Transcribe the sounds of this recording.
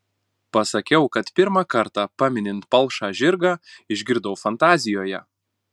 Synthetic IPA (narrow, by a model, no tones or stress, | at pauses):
pɐsɐkʲɛʊkɐt̪pʲɪɾmɑkɐɾt̪ɑːpɑːmʲɪnʲɪnt̪pɐlˠˑʃɑːʒʲɪɾɡɑːɪʒʲɡʲɪɾd̪ɐʊfɐnt̪ɑːzʲɪjoːjɛ̰